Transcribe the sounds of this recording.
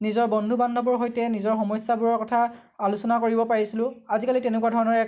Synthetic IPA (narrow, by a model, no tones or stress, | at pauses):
nizɔɹbɔndʱubandʱɔbɔɹɦojtɛnizɔɹxɔmɔjsːabuɹɔɹkɔtʰa | alusɔnakoɹibɔpaɹisilʊ̃azikalitenɛkuwadʱɔɹɔnɔɹɛ